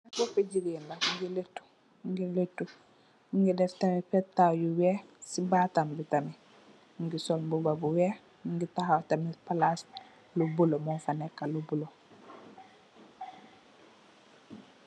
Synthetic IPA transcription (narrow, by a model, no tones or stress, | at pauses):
akofeɟiɾinlaŋɡiletːu̥ | ŋɡiletːu | iŋɡidɛftamifɛtajuwɛsibatambitami | ŋɡisɔlmbubabuwɛ | ŋɡitaɦawtamipalas | lubulomɔnfanekːalubulo